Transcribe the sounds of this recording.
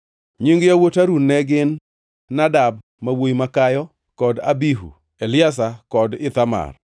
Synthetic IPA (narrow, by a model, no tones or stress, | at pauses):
ɲiŋɡjawotaɾunːɛɡɪnː | adab̚ | mawoimakajɔ | kɔda̰biɦṵ | elɪas̬akɔdɪt̪ama̰r